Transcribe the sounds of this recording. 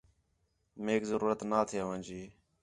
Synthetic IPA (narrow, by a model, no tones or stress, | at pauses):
meːkzəɾuːɾət̪naːt̪ʰɪjaːʋə̃nʲd͡ʒiː